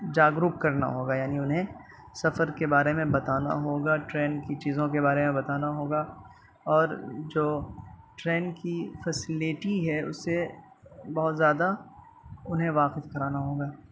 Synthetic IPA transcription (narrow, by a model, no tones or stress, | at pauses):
d͡ʒaːɡɾuːp̚kɐɾna̰ɦoːɡajaːniʊnɦẽ | sɐfəɾkebaːɾemẽbɐt̪aːna̰ɦoːɡaʈɾɛ̃ːnkit͡ʃiːzõk̬ebaːɾemẽbɐt̪aːnaɦoːɡa | ɔːɾd͡ʒoːʈɾɛ̃ːnkifɛsɪlɪʈiɦɛʊ̰sːe | bɐɦʊt̪zjaːd̪a | ʊnɦẽʋaːqɪfkɐɾaːnaɦoːɡaː